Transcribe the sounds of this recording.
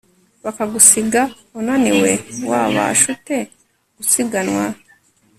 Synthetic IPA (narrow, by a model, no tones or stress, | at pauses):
βakaɡusiɡa | unaniwewaːβa̰ʃute | ɡ̥usiɡanwa